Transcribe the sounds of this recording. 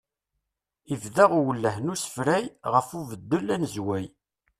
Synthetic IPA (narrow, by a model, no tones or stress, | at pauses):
ivðæʁʊwəlːəhnusə̥fɾæjʁəfuvəd̪ːəlænzwæj